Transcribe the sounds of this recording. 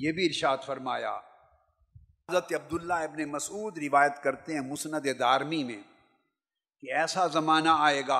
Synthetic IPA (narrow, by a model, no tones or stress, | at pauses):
jeːbʱiɪɾʃaːd̪fɐɾmaːja̰ː | zɾət̪eɐb̚d̪ʊlːaɪbnemɐsuːd̪ɾɪʋaːjət̪kɐɾt̪eɦɛ̃mʊsnəd̪ed̪aːɾmimḛ̃ | keɛːsazɐmaːnaaːeːɡaː